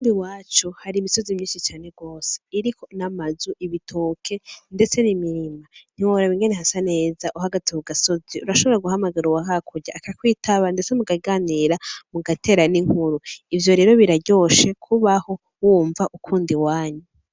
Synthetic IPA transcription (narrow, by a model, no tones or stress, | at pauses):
kuːndiwaːt͡ʃuhaɾimiso̞zimɲiːnʃit͡ʃaːne̞ɡo̞ːse̥iɾiko̞namazuʔiβitʰo̞ːkʰe̞nde̞t͡se̞nimiɾiman̥iwoɾaβiŋɡe̞neɦasane̞ːzaʔuɦaɡatiβuɡaso̞ziʔuɾaʃo̞βo̞ɾaɡuɦamaɡaɾuwaɦakʰuɾɟaːkakwiːtʰaβande̞t͡semuɡaɡaːniːɾamuɡatʰe̞ːɾaniŋ̥huɾuivjo̞ɾe̞ːɾo̞βiɾaɟo̞ːʃe̞kʰuβaho̞ | wuːɱvaʔukʰuːndiwaːɲu